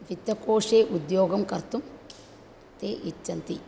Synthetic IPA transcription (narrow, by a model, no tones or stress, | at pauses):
ʋit̪jɐkoːʂeːʔud̪joːɡɐmkɐɾt̪um | t̪eːʔit͡ʃːɐnt̪i